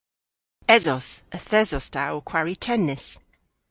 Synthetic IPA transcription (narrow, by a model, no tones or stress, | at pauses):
ɛzɔsəθɛzɔstʰawkʰw̥aɹitʰɛnːɪs